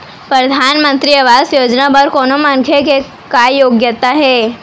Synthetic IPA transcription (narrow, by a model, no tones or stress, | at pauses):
pɾəd̪ʱanmənt̪ɾiɐʋasjod͡ʒnabəɾkonomaŋkʰjeke | kajoɡjət̪aɦe